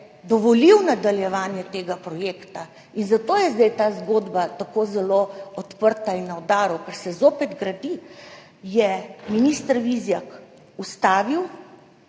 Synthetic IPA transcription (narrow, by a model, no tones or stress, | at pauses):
d̪ɔʋɔliwnad̪aljɛʋaːnjɛt̪eːɡapɾɔjeːkt̪a | inzat̪oːjɛzd̪ɛjt̪aːzɡoːd̪bat̪akoːzɛloɔt̪pəɾt̪ainːawd̪aːɾukɛɾsɛzoːpɛd̪ɡɾad̪i | jɛminist̪əɾʋizjak | ust̪aːʋiw